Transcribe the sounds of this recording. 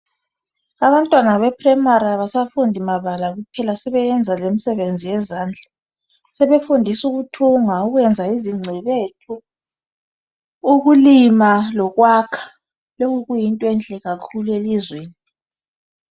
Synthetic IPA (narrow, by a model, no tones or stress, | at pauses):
aβantʼwanaβɛpʰʼrɛmaɾaβasafundʱimaβalaɣupʰɛlasɛβɛjɛnd͡zʱalemisɛβend͡zʱijɛzaːnd͡ɮʱa | sɛβefundʱisuɣutʰuŋauɣwɛnd͡zʱaiziŋ͡ǀʱɛβetʰu | ɣulimalɔɣwakʰḁ | loŋuɣujintʼɔɛnd͡ɮʱʼɛɣakʰuluelizweːni